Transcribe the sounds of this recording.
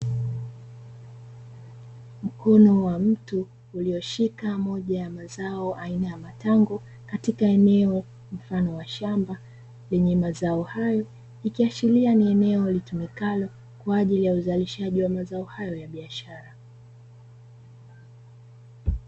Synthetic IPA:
m̩kʰɔnɔwam̩tuː | liɔʃikamɔʄajamazaɔʔainajamataŋɡɔ | katikaɛnɛɔ | m̩fanɔwaʃamba | lɛɲɛmazaɔhajɔ | ikiat͡ʃilianiɛnɛɔlitumɛkalɔ | kwaːʄilijauzaliʃaʄiwamazaɔhajɔjaɓiaʃaɾa

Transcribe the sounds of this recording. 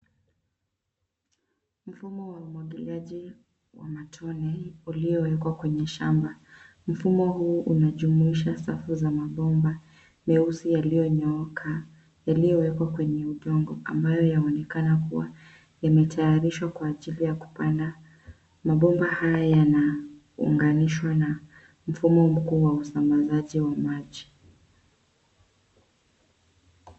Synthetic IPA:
m̩fumɔwaumwaɠiliaʄi | wa̰matʰɔnɛulijɔwɛkwakwɛɲɛʃamba | m̩fumɔhuːʔunaʄumuiʃasafuzamaɓɔmba | mɛusijalijɔɲɔkʰa | jalijɔwɛkwakwɛɲɛuʄɔŋɡɔʔa̰mbajɔjaɔnɛkanakuwa̰ | jamɛtajaɾiʃwakwaːʄilijaku̥panda | maɓɔmbahajajana | ṵŋɡaniʃwana | m̩fumɔm̩kuːwausambazaʄiwamaʄi

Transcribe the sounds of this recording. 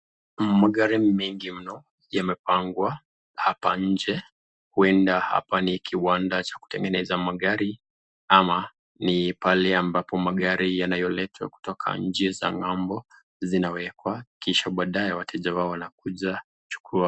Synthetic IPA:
maɠaɾimiŋɡim̩nɔ | jamɛpaŋɡwa | hapaɲ̩d͡ʒɛ | huɛndaha̰panikiwandat͡ʃḁku̥tɛŋɡɛnɛzamaɠaɾi | ama | nipalɛambapɔmaɠaɾijanajɔlɛtʰwa̰ku̥tɔkʰa̰ɲ̩d͡ʒɛza̰ŋambɔ | zinawɛkwakiʃaɓaːɗajɛwatʰɛʄawaɔwanakuʄa | t͡ʃu̥kʰua

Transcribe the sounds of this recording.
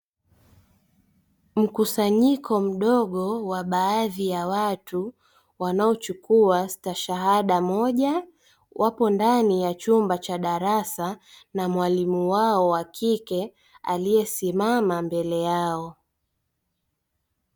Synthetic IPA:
m̩kusaɲikʰɔm̩ɗɔɠɔwaɓaːðijawatu | wanaɔt͡ʃukuastaʃaɦaɗamɔʄa | wʔapɔndanijat͡ʃumbat͡ʃaɗaɾasanamwalimuwaɔwakʰikɛ | a̰lijɛsimamambɛlɛjaɔ

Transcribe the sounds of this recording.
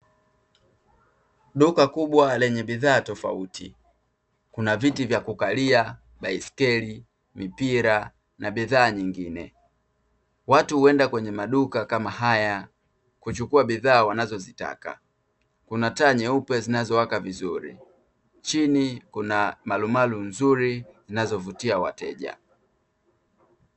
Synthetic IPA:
ɗukakuɓwalɛɲɛɓiðaːtɔfa̰utḭ | kunavitivjakukalia | ɓaiskɛli | mipiɾa | naɓiðaːɲiŋɡinɛ̰ | watuhuɛndakwɛɲɛmaɗukakamahaja | kut͡ʃukuaɓiðaːwanazɔzita̰ka̰ | kunataɲɛupɛzinazɔwakavizuɾḭ | t͡ʃinikunamalumalunzuɾizinazɔvutiawa̰tɛ̰ʄa̰

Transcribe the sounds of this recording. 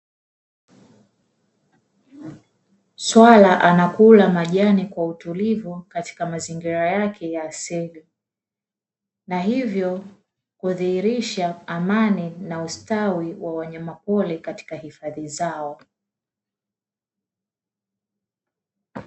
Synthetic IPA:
swalaʔanakulamaʄanikwautulivukati̥kamaziŋɡiɾajakʰɛjaːsili | naɦivjɔ | kuðiiɾiʃaːmaninaustawiwʔawaɲamapɔlɛkati̥kahifaðizaɔ

